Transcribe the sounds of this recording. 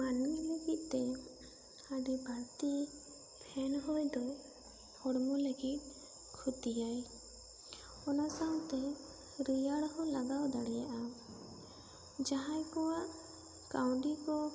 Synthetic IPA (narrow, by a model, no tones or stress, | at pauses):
manileɡit̪̚ˀt̪ɛ | aɖibʱaɾt̪i | pʰɛnɦojd̪ɔ | hɔɽmuleɡit̪̚ | kʰut̪ijaj | ɔnasaw̃t̪ɛ | ɾijaɽhɔlaɡawd̪aɽɛjaʔa | d͡ʒaɦãjkɔwaʔ | kawɳɖikɔ